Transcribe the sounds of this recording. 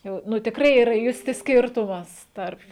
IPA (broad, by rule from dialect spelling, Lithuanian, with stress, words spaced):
ˈjɛʊ ˈnʊ tʲɪkˈrɐɪ iːˈrɐ ˈjʊsʲtʲɪ ˈsʲkʲɪrtʊmɐs ˈtɐrp